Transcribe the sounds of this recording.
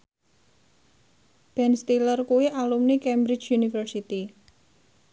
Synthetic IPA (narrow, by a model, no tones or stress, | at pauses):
b̥ɛnst̪ilərkuwiʔalumnikɛmbɾɪd͡ʒjunifərsit̪i